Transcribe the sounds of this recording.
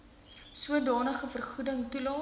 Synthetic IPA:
suədɑːnəχəfərχudəŋtulɑː

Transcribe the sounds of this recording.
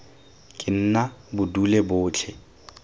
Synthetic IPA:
kʼɪn̩nabʊdulebʊːt͡ɬʰɛ

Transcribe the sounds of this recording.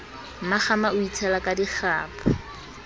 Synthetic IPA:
maχamaʊitʰɛlakʼadiχaːpʰa

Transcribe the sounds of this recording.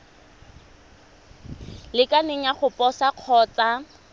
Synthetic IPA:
lɪkʼaneŋ̩aχʊpʼɔsaq͡χʰɔːt͡sa

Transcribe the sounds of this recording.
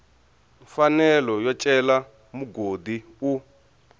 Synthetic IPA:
ɱfanɛlɔjɔt͡ʃʼɛla | muɡodi | u

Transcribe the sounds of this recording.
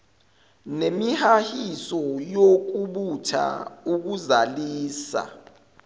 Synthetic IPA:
nemihahisɔjok̬uɓutʰa̰uk̬uzaliːsa̰

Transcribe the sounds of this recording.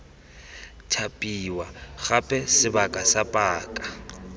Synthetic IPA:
tʰapʼiwaχapʼɛsɪbakʼasapʼaːkʼa

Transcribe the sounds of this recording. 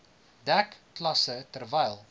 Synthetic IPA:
dækːlɐsətərvɛjlˠ

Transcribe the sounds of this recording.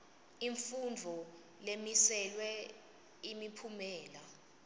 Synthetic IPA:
iɱfund͡vʱɔ | lemisɛlwɛ | imipʰumɛːla

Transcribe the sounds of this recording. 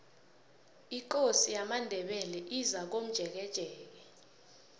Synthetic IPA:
ikosijamandʱɛɓɛlɛʔizak̬om̩d̥ʱɛk̬ɛd̥ʒ̥ʱɛːk̬ɛ

